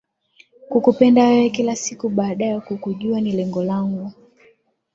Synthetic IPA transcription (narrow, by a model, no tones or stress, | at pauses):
kukupɛndahɛɛkilasikuɓaːɗajɛkukuʄuanilɛŋɡɔlaŋɡu